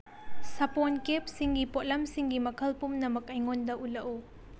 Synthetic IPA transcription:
sɐponkep̚siŋɡipot̚lɐmsiŋɡimɐkʰɐlpumnɐmɐk̚ɐjŋondɐʔulɐʔu

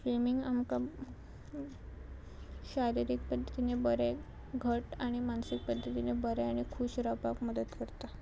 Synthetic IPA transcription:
fɾimiŋɡamka | ɕaɾiɾik̚pəd̪ʱːət̪inebəɾe | ɡʱəʈaɽ̃imansik̚pəd̪ʱːət̪inebəɾeaɽ̃ikʰuːɕɾapakməd̪ət̪kəɾt̪a

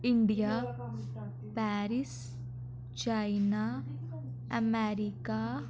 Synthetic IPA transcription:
iɳɖija | paːɾis | t͡ʃajna | ɐmeːɾika

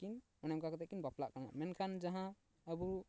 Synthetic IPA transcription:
kin | ɔnɛmkakɔt̪akinbaplaʔkana̰ʔmɛnkʰand͡ʒaɦã | əbu

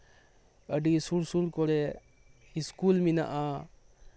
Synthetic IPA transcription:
əɖisuɾsuɾkɔɾe | iskulmina̰ʔa

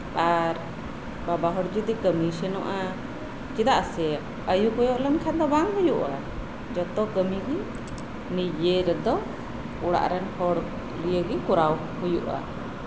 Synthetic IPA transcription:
aɾ | babaɦɔɽd͡ʒid̪ikəmisɛnɔʔa | t͡ʃid̪aʔsɛ | əjukɔjɔʔlɛnkʰɛd̪ɔbaŋɦujuʔa | d͡ʒɔt̪ɔkəmiɡi | nid͡ʒeɾɛd̪ɔ | uɽa̰ʔɾɛnhɔɽ | lijəɡikuɾaw | hujuʔa̰

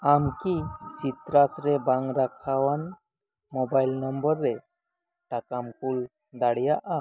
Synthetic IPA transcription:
amkiɕit̪ɾasɾebãŋɡɾakʰaʋan | mɔbailnəmbəɾːe | ʈakamkul | d̪aɽjaʔa

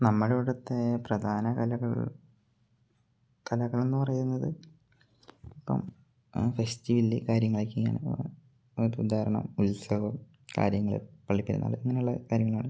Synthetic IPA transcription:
nɐmːɐɭeɽɐt̪ːeprɐd̪ʱaːnɐkɐlɐɣɐ | kʰɐlɐɣɐɭenːɨpɐrɐjunːɐðɨ | ipːɐ̰m | festiʋilːikaːɾjɐŋːɐɭekʲːiŋːa̰ɳɨ̰ | oɾud̪ʱaːɾɐɳɐ̰mulsɐɡɐm | ka̰ːɾjɐŋːɐɭḭpɐɭːipːiɾṵnːa̰ːɭiŋːɐne̞uɭːɐkaːɾjɐŋːɐɭaːɳɨ

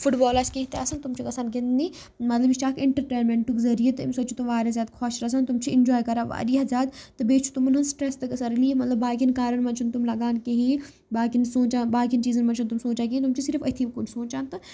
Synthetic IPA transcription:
fʰuʈbɔːlat͡ʃkeɦit̪easɐnt̪umt͡ʃʰikɐsaːnkend̪niː | mɐt̪lɐbiʃt͡ʃaːkɪɳʈəɾʈeːnmeɳʈukzɐɾijet̪ɐmsɐt͡ʃʰut̪umʋaːɾʲizjaːd̪kʰɔːʃɾɐs̬ɐnt̪umt͡ʃʰiɪnd͡ʒɔːjkɐɾaːʋa̰ːɾiazʲjaːd̪t̪ɐbeːt͡ʃʰu̥t̪umunɦɐnsʈɾest̪ɐkɐsɐɾɐliemɐt̪lɐbːaːkinkaːɾɐnmɐ̃nt͡ʃʰunt̪umlɐɡaːnkeɦi | baːkinsõːt͡ʃaːnbaːkint͡ʃiːzɐnmɐnt͡ʃʰunt̪umsoːt͡ʃaːk̬iint̪umt͡ʃʰisiɾfɐt̪ʰikunsoːt͡ʃaːnt̪ɨ

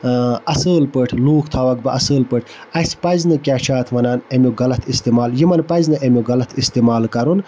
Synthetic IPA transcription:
ɐsəːlpɨʈʰluːkʰt̪ʰaːʋɐɡbɐʔɐsəːlpɨʈʰɐspɐznɨkʲaːt͡ʃʰaːt̪ʰmɐnaːnemʲjoɡɐlɐt̪ʰist̪eːmaːljimɐnpɐznɨʔemʲoɡɐlɐt̪ʰist̪eːmaːlkɐɾun

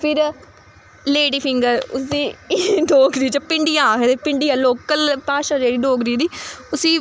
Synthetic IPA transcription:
pʰɪɾ | leːɽiːpʰɪŋɡəɾʊ̰sd̪iːɖoːɡɾiːt͡ʃəpɪ̃ɳɖɪjãːɦet̪eːpɪɳɖijãːloːkəlpaːʃãːd͡ʒeːɽiːɖoːɡɾiːd̪iːʊsiː

